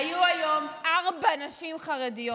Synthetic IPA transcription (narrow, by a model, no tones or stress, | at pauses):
juajo̞mʔaʁbanaʃimχaʁedijo